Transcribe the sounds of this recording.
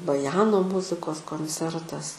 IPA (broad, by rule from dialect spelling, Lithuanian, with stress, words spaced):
bɐˈjæːnoː ˈmʊzʲɪkoːs koːnʲˈt͡sʲɛrtɐs